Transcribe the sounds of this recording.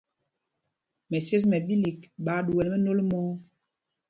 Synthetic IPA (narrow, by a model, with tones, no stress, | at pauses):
mɛ˨se˦s̬mɛ˨bi˦li˨kɓa˨˦ɗu˨wɛ˨lmɛ˦no˦lmo˦